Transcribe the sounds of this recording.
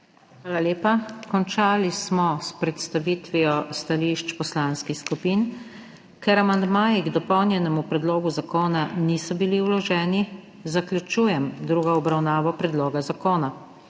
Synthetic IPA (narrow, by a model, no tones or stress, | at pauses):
xʋaːlaleːpakɔnt͡ʃaːlismɔspɾɛt̪st̪aʋiːt̪ʋijɔst̪aliʃt͡ʃpɔslaːnskixskupiːn | kɛɾamand̪maːjiɡd̪ɔpɔwnjɛnɛmupɾɛd̪loːɡuzakoːnanisɔbiliwlɔʒɛːni | zaklʲjut͡ʃuːjɛmd̪ɾuːɡɔɔbɾawnaːʋɔpɾɛd̪loːɡazakoːna